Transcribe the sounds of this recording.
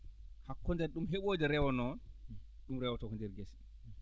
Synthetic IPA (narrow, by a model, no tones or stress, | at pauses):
hakːɔnd͡ʒɛnɗumɦeɓoːdɛɾɛwɔnɔn | ɗumɾɛwɔtɔkɔndɛɾɡes